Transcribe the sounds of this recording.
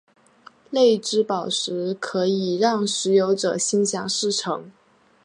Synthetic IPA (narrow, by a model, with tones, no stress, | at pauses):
le˥˩ɪʈ͡ʂɻ̩˥pɑ˨˩ʊʂɻ̩˧˥kʰɤ˧˥i˨˩ɻɑ˥˩ŋʂɻ̩˧˥jo˧˥ʊʈ͡ʂɤ˨˩ɕi˥ŋɕjɑ˨˩ŋʂɻ̩˥˩ʈ͡ʂʰɤ˧˥ŋ